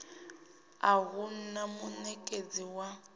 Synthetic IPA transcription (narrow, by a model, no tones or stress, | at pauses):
aɣun̩namunɛkʼed͡ziwa